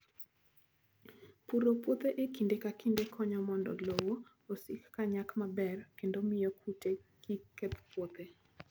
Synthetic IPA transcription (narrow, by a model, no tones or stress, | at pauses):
puɾopwot̪eʔekindekakindekʰɔɲɔmɔndɔ̰lowo | osikːaɲakmabɛrkendomɪjɔkʰutekiket̪pwot̪e